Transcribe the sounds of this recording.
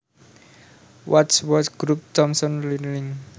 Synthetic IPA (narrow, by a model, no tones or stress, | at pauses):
wʔatswɔsɡ̥ɾup̚t̪ɔmsɔnlilɪŋ